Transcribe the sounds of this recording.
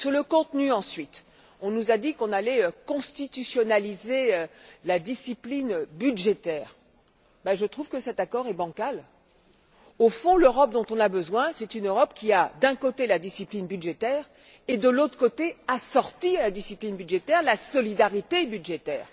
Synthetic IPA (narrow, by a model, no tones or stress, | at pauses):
syʁləkɔ̃t̪nyɑ̃sɥit̪ | ɔ̃nuzad̪ikɔ̃nalɛøkɔ̃st̪it̪ysjɔnalizeølad̪isiplinbyd̪ʒet̪ɛːʁ | baʒət̪χuvkəsɛt̪akɔʁɛbɑ̃kal | ofɔ̃løʁɔp̚d̪ɔ̃t̪ɔ̃nabəzwɛ̃sɛt̪ynøʁɔpkʲiad̪ɛ̃kot̪elad̪isiplinbyd̪ʒet̪ɛːʁ | ed̪əlot̪χkot̪easɔʁt̪ialad̪isiplinbyd̪ʒet̪ɛʁlasɔlid̪aʁit̪ebyd̪ʒet̪ɛːʁ